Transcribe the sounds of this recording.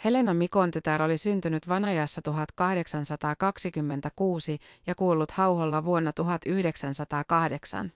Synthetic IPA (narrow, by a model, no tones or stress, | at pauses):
he̞le̞nɑmiko̞nt̪yt̪æɾo̞lisynt̪ynyt̪ʋɑnɑjɑsːɑt̪uɦɑt̪kɑhde̞ksɑnsɑt̪ɑːkɑksikymːe̞nt̪ækuːsijɑkuːlːut̪hɑwholːɑʋuo̞nːɑt̪uɦɑt̪yhde̞ksænsɑt̪ɑːkɑhde̞ksɑ̰n